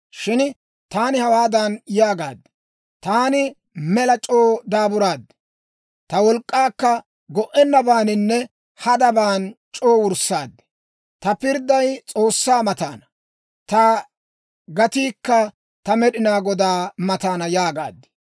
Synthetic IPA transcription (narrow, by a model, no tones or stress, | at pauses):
ʃɪn | t̪aːnɪhɐwaːd̪ɐnjaːɡa̰ːd̪ːɪ̥ | t̪aːnɪ | mɛlɐt͡ʃʼoːd̪aːbʊɾaːd̪ːɪ̥ | t̪ɐwɔlkʼːaːkːɐ | ɡɔʔɛnːɐbaːnɪnːɛ | hɐd̪ɐbaːnt͡ʃʼoːwʊɾsːaːd̪ːɪ̥ | t̪ɐpɪɾd̪ɐjt͡sʼo̞ːsːaːmɐt̪a̰ːnɐ | t̪ɐ | ɡɐt̪iːkːɐ | t̪ɐmɛɗɪnaːɡɔd̪aːmɐt̪aːnɐjaːɡa̰ːd̪ːɪ̥